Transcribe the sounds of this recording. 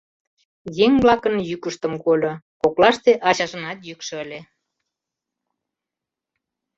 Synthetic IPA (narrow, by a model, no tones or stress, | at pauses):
jeŋβlɑkənjykəʃt̪əmkolʲokoklɑʃt̪eʔɑt͡ɕɑʒənɑt̪jykʃəəlʲe